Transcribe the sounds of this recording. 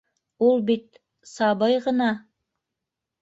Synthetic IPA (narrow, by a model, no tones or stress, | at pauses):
ulˠbit̪̚ | sɑβɤjʁɤ̆nɑ